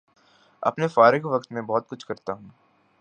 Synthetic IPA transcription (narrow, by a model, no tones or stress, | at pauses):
ɐ̰pnefaːɾɪkʋɐkt̪mẽbɔːt̪̚kʊt͡ʃʰkɐɾt̪aɦũː